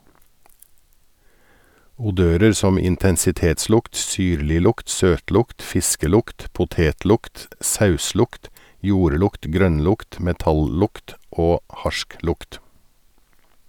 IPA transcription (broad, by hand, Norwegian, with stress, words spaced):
ʊˈdøːɾəɾ ˈsɔm ɪntɛnsɪˈteːtˌslʊkt ˈsyːɾlɪˌlʊkt ˈsøːtˌlʊkt ˈfɪskəˌlʊkt pʊˈteːtˌlʊkt ˈsɑʉˌslʊkt ˈjuːɾˌlʊkt ˈɡɾœnˌlʊkt ˈmɛtɑlˌlʊkt ˈoː ˈhɑʃˌklʊkt